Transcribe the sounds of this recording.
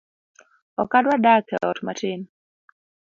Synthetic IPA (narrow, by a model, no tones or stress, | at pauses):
ɔkadwadakɛlɔtmatɪn